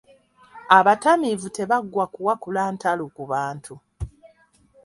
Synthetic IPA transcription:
aβatamivute̞βaɡːwakuwakulaːntʰalukuβaːntʰu

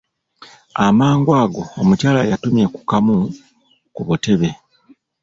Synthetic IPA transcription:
amaːŋɡwaːɡo̞ːmucaːlajatumje̞ku̥kamu | kuβute̞βe̞

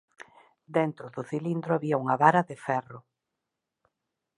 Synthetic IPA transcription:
d̪ent̪ɾʊðʊθilind̪ɾʊaβiɐuŋɐβaɾɐðɪfɛrʊ

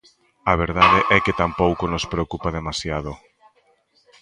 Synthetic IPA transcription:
aβ̞eɾðaðeʔɛkɪt̪ampowkonospɾeokupaðemasjað̞o

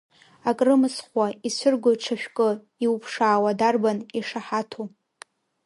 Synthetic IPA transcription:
akʼrɨmɨsχwaisʷʊrɡʷoʈ͡ʂʰaʃʷᶣkʼɨ | iwupʰʂaːwadarbaniʂaħatʰu

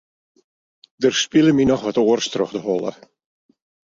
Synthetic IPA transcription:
dərspɪlˠəminɔxʋatoːərstrɔxdəɦɔlˠə̰

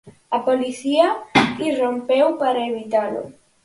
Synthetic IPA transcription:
ɐpoliθiairompewpaɾaeβit̪alo̰

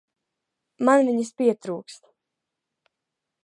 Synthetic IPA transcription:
manviɲispʲiɛt̪ɾuːkst̪

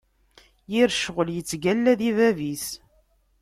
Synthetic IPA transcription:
jiɾʃʁəljət͡sːɡælːæðivævis

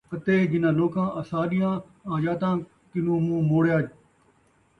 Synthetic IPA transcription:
ət̪eːd͡ʒɪnãːloːkãːʔəsaːɗɪjãː | aːd͡ʒaːt̪ãː | kɪnũːmũːmoːɽjaːd͡ʒ

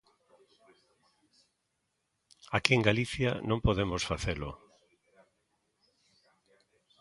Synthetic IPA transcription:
akieŋɡaliθjanõmpoðemosfaθelʊ̰

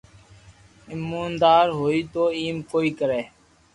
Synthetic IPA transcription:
ɪmːuːnd̪aːɾɦoːiːt̪oːiːmkoːiːkəɾeː

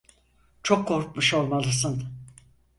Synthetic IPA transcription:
t͡ʃʰokʰːo̞ɾk̚muʃo̞lˠmalˠɯsɯn

